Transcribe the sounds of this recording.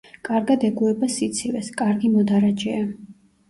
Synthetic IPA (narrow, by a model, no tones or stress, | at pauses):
kʼaɾɡad̪ɛɡuɛbasit̪sʰivɛskʼaɾɡimɔd̪aɾad͡ʒɛa